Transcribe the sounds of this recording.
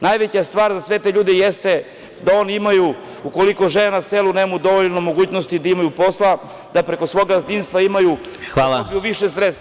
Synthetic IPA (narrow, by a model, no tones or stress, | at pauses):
najʋet͡ɕast̪ʋaːɾzasʋe̞t̪eʎuːd̪ejest̪e̞ | d̪ao̞ːnimaju | uko̞liko̞ʒenaselˠunemmud̪oʋoʎno̞mo̞ɡuːt͡ɕnost̪id̪aimajupo̞slˠa | d̪apɾe̞ko̞sʋo̞ɡazd̪inst̪ʋaimaju | xalˠabijuʋiʃesɾest̪